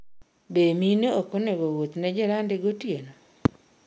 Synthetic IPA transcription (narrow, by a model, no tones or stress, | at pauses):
bemineokoneɡowot̪nɛd͡ʒeɾandeɡotjeno